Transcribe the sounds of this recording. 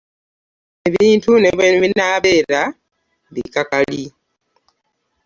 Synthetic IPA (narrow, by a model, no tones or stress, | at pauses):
e̞βiːntuneβenβinaːβe̞ːɾa | βḭkakali